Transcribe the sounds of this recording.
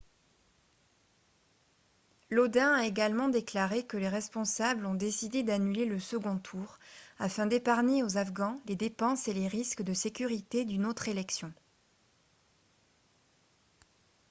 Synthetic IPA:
lod̪ɛ̃aeɡalmɑ̃d̪eklaʁekəleʁɛspɔ̃sablɔ̃d̪esid̪ed̪anyleləsəɡɔ̃t̪ʰuʁafɛ̃d̪epaʁneozafɡɑ̃led̪epɑ̃seleʁiskəd̪əsekʲyʁit̪ed̪ynot̪χelɛksjɔ̃

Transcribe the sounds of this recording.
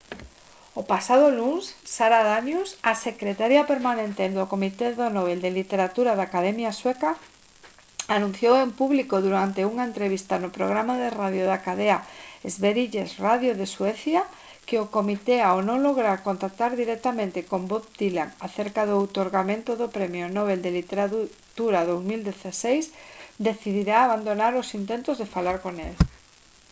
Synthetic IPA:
opasað̞oluŋsːaɾaðanjusasekɾet̪aɾjapeɾmanẽnt̪ed̪okomit̪eðonoβeld̪elit̪eɾat̪uɾaðaːkaðɛmjaswɛka | anũn̟θjowempuβlikoðuɾant̪euŋaent̪ɾeβ̞ist̪anopɾoɣ̞ɾamaðeraðjoðakaðeaezβeɾiʎesraðjoðeswɛθja | kɪokomit̪eawnõŋloɣɾaɾkont̪ak̚t̪aɾðiɾɛk̚t̪amẽnt̪ɪkombop̚d̪ilaŋaθeɾkaðʊwt̪oɾɣamẽnt̪oðopɾemjonɔβeld̪elit̪eɾa | t̪uɾaðowzmild̪eθasejsd̪eθiðiɾaːβand̪onaɾʊsint̪ẽnt̪ʊzðefalaɾkonel

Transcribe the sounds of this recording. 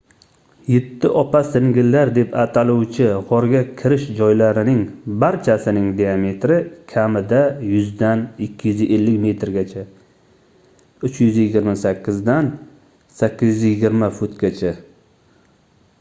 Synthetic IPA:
jɪt̪ʰːɪʔɒpʰasɪŋɡʲɪlːaɾd̪e̞pʰat̪ʰalʊwt͡ʃʰɪʁɒɾɡʲakʲʰɪɾɪʃd͡ʒɒjlaɾɪnɪŋbaɾt͡ʃʰasɪnɪŋd̪eame̞t̪ɾɪkʲʰamɪd̪ajʊzd̪anɪkʲʰːɪjʏzʔelːɪkʲme̞t̪ɾɡʲat͡ʃʰa | ʊt͡ʃjʏzjɪɡʲɪɾmasakʲʰːɪzd̪an | sakʲːɪzjzjɪɡʲɪɾmafʊt̪ɡʲat͡ʃʰa

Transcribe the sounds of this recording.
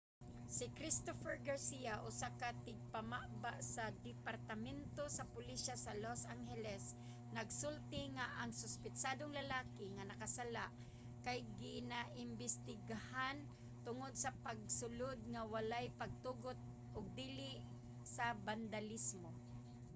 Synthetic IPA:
sɪkɾɪst̪ofɛɹɡaɾsiaʔʊsakat̪ɪɡ̚pamaʔbaʔsɐd̪ɪpaɾt̪amɛnt̪osɐpʊliʃasalosʔaŋhɛlɛs | nɐɡsʊlt̪ɪŋaʔaŋsʊspɪt͡ʃad̪oŋlɐlaːkɪŋanɐkasalaʔ | kajɡɪnaʔɪmbɪst̪ɪɡahan | t̪ʊŋod̪̚sɐpaɡ̚sʊlod̪̚ŋawalajpɐɡ̚t̪uːɡot̪̚ | ʔʊɡ̚d̪iːlɪʔ | sɐband̪alismo

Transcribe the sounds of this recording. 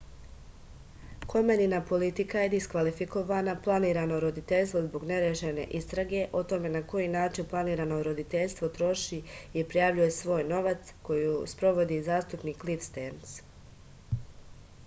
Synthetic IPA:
kʰo̞meninapo̞lit̪ikaje̞d̪iskʋalifiko̞ʋanaplˠaniːɾano̞ɾo̞d̪it̪eʎst̪ʋozbo̞ɡne̞ɾeʃene̞̰ʔist̪ɾaɡe̞ʔo̞t̪o̞me̞nako̞jinaːt͡ʃinplˠaniːɾano̞ɾo̞d̪it̪eʎst̪ʋo̞t̪ɾo̞ʃiiɾpɾijaʋʎuje̞sʋo̞ːjno̞ʋat̪sko̞juspɾo̞ʋo̞d̪izaːst̪upniːklifst̪ens

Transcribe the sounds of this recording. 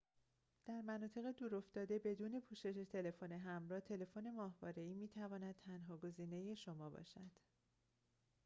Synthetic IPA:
d̪̥æɾmænɒːt̪ʰe̞ɣed̪uːɾo̞ft̪ɒːd̪e̞be̞d̪uːne̞pʰuːʃe̞ʃe̞t̪ʰe̞le̞fone̞ɦæmɾɒːht̪ʰe̞le̞fone̞mɒːhvɒːɾe̞iːmiːt̪ʰævɒːnæd̪̥̚t̪ʰænɦɒːɡo̞ziːne̞je̞ʃo̞mɒːbɒ̰ːʃæd̪̥

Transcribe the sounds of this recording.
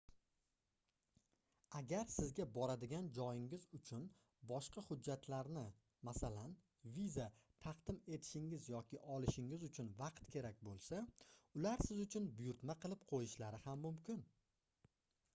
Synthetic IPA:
aɡʲaɾsɪzɡʲabɒɾad̪ɪɡʲand͡ʒɒjɪŋɪzʊt͡ʃʰʊn | bɒʃqɑhʊd͡ʒːat̪ʰlaɾnɪ | masalan | vizat̪ʰɑqd̪ɪme̞t̪ʰɪ̥ʃɪŋɪzjɒkʲɪʔɒlˠɪʃɪŋɪzʊt͡ʃʰʊnvɑqt̪kʲʰe̞ɾak̚ʲbolˠsaʊlaɾsɪzʊt͡ʃʰʊnbʊjʊɾt̪maqʰɨlˠɪpqʰojɪʃlaɾɪhamːʊmkʲɪn

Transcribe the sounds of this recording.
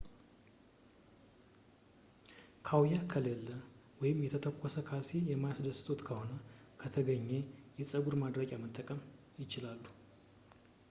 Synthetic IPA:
kʰawjakʰəlelːəwɔjɪmjɛt̪ʰət̪ʰəkʷʼːosəkʰasejɛmajasd̪əsɨ̥t̪ʰot̪kʰəho̞nəkʰət̪ʰəɡəɲːe̞jɛsʼəɡuɾmad̪ɾəkʼamət̪ʼːəkʼəm | jɪt͡ʃɪlalːu

